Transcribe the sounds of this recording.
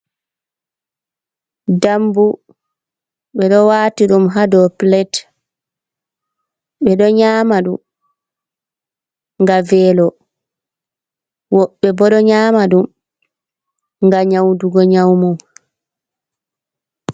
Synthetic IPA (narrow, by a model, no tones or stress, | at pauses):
dambu | ɓɛɗɔwatiɗumɦadɔplɛt | ɓɛɗɔɲaːmaɗum | ŋɡavɛlɔ | wɔɓːɛbɔɗɔɲaːmaɗum | ŋɡaɲawduɡɔɲawmɔw